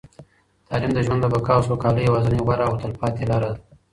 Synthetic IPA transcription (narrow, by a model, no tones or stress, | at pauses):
t̪ɑlimd̪əʒwand̪d̪əbakɑwsokɑːləjawazaniɣwaɾaːwt̪alpɑt̪elɑɾad̪